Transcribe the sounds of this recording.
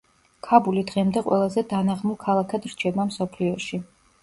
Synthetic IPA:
kʰabulid̪ʁɛmd̪ɛqʼwɛ̰lˠazɛd̪anaʁmulˠkʰalˠakʰad̪ɾt͡ʃʰɛbamsɔpʰliɔʃi

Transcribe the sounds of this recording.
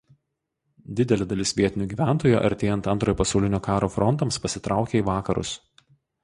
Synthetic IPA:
d̪ʲɪd̪ʲɛlʲed̪ɐlʲɪsʋʲiɛt̪ʲɪnʲuɡʲiːʋʲæˑnˑt̪oːjuːʔɐ̰ɾʲt̪ʲeːjɛnt̪ɐnt̪ɾoːjɔːpɐsɐʊlʲɪnʲoːkɑːɾoːfɾɔnt̪ɐmspɐsʲɪt̪ɾɑˑʊkʲeːiːʋɑːkɐɾʊ̰s

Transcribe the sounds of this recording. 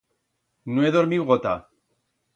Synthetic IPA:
noeðo̞ɾmiwɣot̪a̰

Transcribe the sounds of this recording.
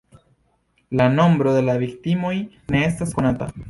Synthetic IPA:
lano̞mbɾo̞d̪e̞laviktimo̞j | ne̞e̞stasko̞nata̰

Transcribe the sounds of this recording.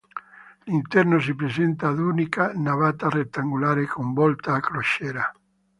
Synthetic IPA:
lint̪ɛrnos̬ipɾesent̪ad̪unikanaβat̪aret̪ːaŋɡulaɾekombɔlt̪aːkɾoʃɛɾa

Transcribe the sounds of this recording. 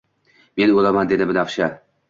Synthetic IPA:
me̞nolamand̪e̞d̪ɪmɪnafʃa

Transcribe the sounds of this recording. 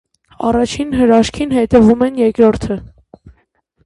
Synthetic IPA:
ɑrɑt͡ʃʰinɦəɾɑʃkʰinhɛt̪ɛvumɛnjɛkɾɔɾt̪ʰə

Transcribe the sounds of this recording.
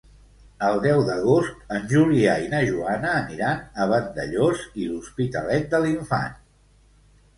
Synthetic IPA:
əlˠd̪ɛwðəɣ̞ost̪ənʲʒuliainəʒuanəːniɾanəβ̞ənd̪əʎoziluspit̪ə̰lɛt̪̚d̪əliɱfa̰n

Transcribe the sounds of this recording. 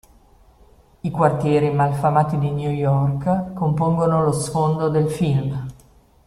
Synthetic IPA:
ikwart̪jɛːɾimalfamaːt̪id̪injujɔrkkompoŋɡonolosfond̪od̪elfilm

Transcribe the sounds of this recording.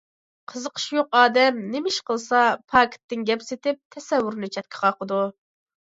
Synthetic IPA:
qʰəzəqʰə̥ʃjoqɑːd̪ɛmnɪmɪʃqəlˠsɑpʰɑːkʲʰɪ̥t̪ːɪnɡʲɛpset̪ɪp̚t̪ʰɛsɛwːʊɾnɨt͡ʃʰɛt̪kʲʰɪ̥qʰɑqəd̪u

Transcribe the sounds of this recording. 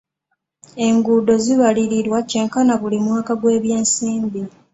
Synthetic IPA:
e̞ŋɡuːdo̞ziβaliɾiɾwace̞ŋkanaβulimwaːkaɡwe̞ːβjeːnsiːmbi

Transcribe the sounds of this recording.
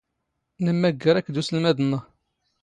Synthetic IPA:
nəmːæɡːəɾˤækːd̪usəlmæðənːə

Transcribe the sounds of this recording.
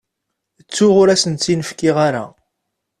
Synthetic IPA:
ət͡sːʊʁʊɾæsənt͡s̪ːinəfkɪʁaɾa̰

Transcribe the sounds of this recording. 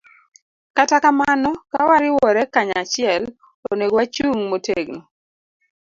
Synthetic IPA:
katakamanɔkawaɾɪwɔɾɛkaɲat͡ʃɪɛl | oneɡwat͡ʃuŋmoteɡno

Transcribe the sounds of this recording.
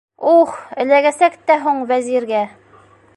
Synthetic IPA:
uχɘ̆læɡæsækt̪æɦuɴvæziɾɡæ

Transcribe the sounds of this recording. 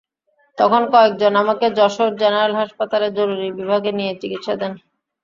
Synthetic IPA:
t̪ɔkʰonkɔek̚d͡ʑonamaked͡ʑɔʃoɾ̚d͡ʑenaɾalɦaʃpat̪aleɾd͡ʑoɾuɾibibʱaɡenijet͡ɕikit̪ʃad̪ɛn

